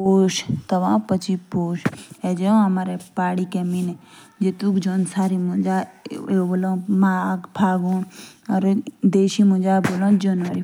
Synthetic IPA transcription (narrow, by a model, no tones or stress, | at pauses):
oːʃt̪ɐʋãpət͡ʃipoːʃed͡ʒeõɐmaɾepaːɽikemine | d͡ʒeːt̪ukd͡ʒoːnsaːɾimũd͡ʒaebolõːmaɡpʰaːɡũːɔɾd̪eːʃimũd͡ʒabolõːd͡ʒənʋəɾi